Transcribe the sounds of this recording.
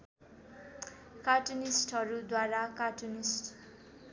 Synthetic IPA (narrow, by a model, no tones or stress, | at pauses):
kaʈunisʈʌɾud̪waɾakaʈunisʈ